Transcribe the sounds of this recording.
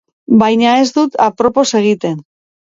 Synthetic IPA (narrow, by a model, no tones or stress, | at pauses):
bajɲae̞zd̪ut̪apɾo̞po̞se̞ɣ̞it̪e̞n